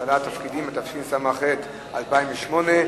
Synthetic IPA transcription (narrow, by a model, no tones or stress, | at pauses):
alat̪afkidimat̪afkimsamaχet̪ | ʔalpaimveʃmo̞ne